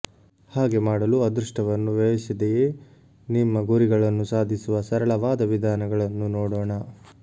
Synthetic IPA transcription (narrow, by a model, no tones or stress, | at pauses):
haːɡe̞maːɽɐluɐd̪ɾuʂʈɐʋɐnːuʋɐʋisid̪eje | nimːɐɡuɾiɡɐɭɐnːusaːd̪ʱisuʋɐsɐɾɐɭɐʋaːd̪ɐʋid̪ʱaːnɐɡɐɭɐnːunoːɽoːɳɐ